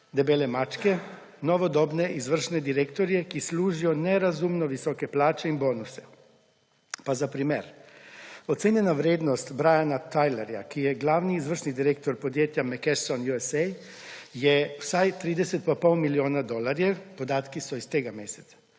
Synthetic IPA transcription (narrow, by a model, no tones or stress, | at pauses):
d̪ɛbeːlɛmaːt͡ʃkɛ | nɔʋɔd̪ɔːbnɛʔizʋər̩ʃnɛd̪iɾekt̪ɔɾijɛkisluːʒijɔnɛɾazumnɔʋisɔkɛplaːt͡ʃɛinboːnusɛ̥ | pazapɾimeːɾ | ɔt̪seːnjɛnaʋɾeːd̪nɔst̪bɾajanat̪ajlɛɾja̰kijɛɡlaːwniːzʋəɾʃnid̪iɾeːk̚t̪ɔɾpɔd̪jeːt̪jamɛkɛsɔnjuɛsɛj | jɛwsajt̪ɾiːd̪ɛsɛt̪papɔwmiljoːnad̪ɔlaɾjɛpɔd̪aːt̪kisɔist̪eːɡameːsɛ̥t̪sḁ